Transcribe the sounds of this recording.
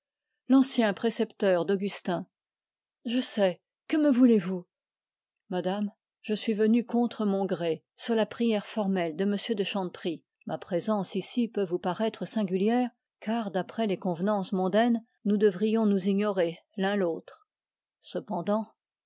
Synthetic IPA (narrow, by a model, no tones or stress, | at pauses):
lɑ̃sjɛ̃pχesɛpt̪œʁd̪ɔɡʲyst̪ɛ̃ | ʒəsɛ | kəməvulevu | mad̪am | ʒəsɥivənykɔ̃t̪χəmɔ̃ɡʁe | syʁlapχijɛʁfɔʁmɛld̪əməsjød̪əʃɑ̃d̪pχi | mapχezɑ̃sisipøvupaʁɛt̪χəsɛ̃ɡʲyljɛːʁ | kaʁd̪apχɛlekɔ̃vnɑ̃smɔ̃d̪ɛn | nud̪əvʁijɔ̃nuziɲɔʁelɛ̃loːt̪χ | səpɑ̃d̪ɑ̃